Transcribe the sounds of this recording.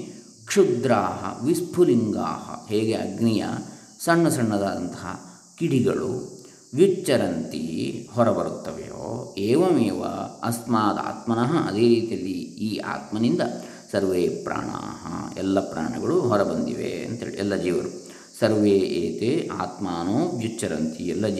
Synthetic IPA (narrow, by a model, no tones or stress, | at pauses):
kʂud̪ɾaːɦɐ̰ʋispʰuliŋɡa̰ːɦɐ̰ɦeːɡeɐɡnijɐ̰ | sɐɳːɐsɐɳːɐd̪aːd̪ɐnt̪ɐɦɐ̰ | kiɽiɡɐɭṵ | ʋit͡ʃːɐɾɐnt̪ihɔɾɐbɐɾut̪ːɐʋḛjo̰ːeːʋɐmeːʋɐ̰ɐst̪maːd̪a̰ːt̪mɐnaːɦɐɐd̪eːɾiːt̪ijɐlːiiːa̰ːt̪mɐnind̪ɐ | sɐɾʋeːpɾa̰ːɳɐ̰ɦɐ̰ɛlːɐpɾa̰ːɳɐɡɐɭuɦɔɾɐbɐnd̪iʋḛɐ̰nt̪ɦeːɭiʔɛlːɐd͡ʒiːʋɐɾu | sɐɾʋeːʔeːt̪ea̰ːt̪maːnoːʋjut͡ʃːɐɾɐnt̪iɛlːɐ